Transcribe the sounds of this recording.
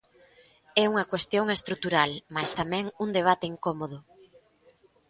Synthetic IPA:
ɛuŋɐkwest̪joŋest̪ɾut̪uɾalmast̪amɛ̃ŋuŋd̪eβ̞at̪eiŋkomoð̞ʊ

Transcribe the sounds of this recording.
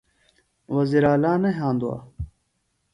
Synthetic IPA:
wɐziɾaːlaːnɐɦãːnd̪uwa̰ː

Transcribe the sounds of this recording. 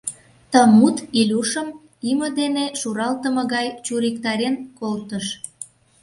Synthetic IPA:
t̪əmut̪ilʲuʃəm | imə̆d̪eneʃuɾɑlt̪əmɤ̆ɣɑjt͡ɕuɾikt̪ɑɾenkolt̪əʃ

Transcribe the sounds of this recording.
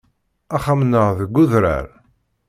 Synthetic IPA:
æχamnəʁðəɡʷːʊðɾæ̰ɾ

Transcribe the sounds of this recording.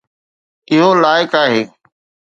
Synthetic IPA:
ɪɦolaːɪkaːɦeː

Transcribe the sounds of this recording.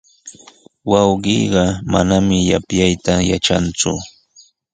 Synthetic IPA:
wɑwɢiɢɑma̰namɪjapjajt̪aja̰ʈ͡ʂa̰nt͡sʊ̰

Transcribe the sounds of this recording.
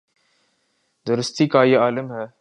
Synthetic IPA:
d̪əɾʊst̪ikaːjeaːlɪmɦɛː

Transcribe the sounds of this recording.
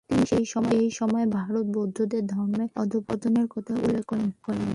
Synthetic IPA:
t̪iniʃejʃɔmɔejʃɔmɔebʱaɾot̪̚bod̪ʱːod̪eɾd̪ʱɔɾmeɔ̰d̪ʱupɔt̪oneɾkɔt̪ʰaʔulːekɔkɔɾen

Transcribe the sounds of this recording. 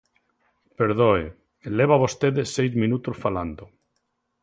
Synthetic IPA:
peɾðoe | eleβaβost̪eðesejzmĩnut̪osfaland̪o

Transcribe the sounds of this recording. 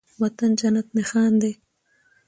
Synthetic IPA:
wɐt̪and͡ʒɐnat̪mexɑːnd̪e

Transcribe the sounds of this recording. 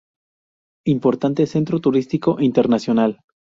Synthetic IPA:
impo̞ɾt̪ant̪ese̞nt̪ɾot̪uɾist̪iko̞ʔint̪eɾnasjonal

